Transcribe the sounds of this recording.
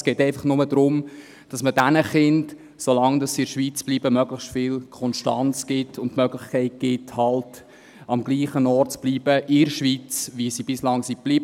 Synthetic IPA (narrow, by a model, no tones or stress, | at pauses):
sɡ̥ɛːtɛɪfɑχnʊmədɾʊm | d̥ɑsmədænəχɪnt | solɑŋdɑsiɪɾʃʋiːt͡sb̥liːbəmœɡləχʃtfɪlkʰɔnʃtɑ̰nt͡sɡ̥ɪtʰʊntmœɡlɪχkʰɛɪt̚ɡ̥ɪthɑlt | ɑmɡ̥liːχənɔɾtt͡sb̥liːb̥əʔɪɾʃʋiːt͡sʋisibɪslɑŋsib̥liːb